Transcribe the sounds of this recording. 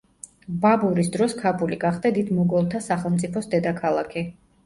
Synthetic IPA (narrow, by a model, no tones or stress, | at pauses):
babuɾisd̪ɾɔskʰapʰuliɡaχd̪ad̪id̪mɔɡɔlˠt̪ʰasaχɛlˠmt̪sʼipʰɔsd̪ɛd̪akʰalˠa̰kʰi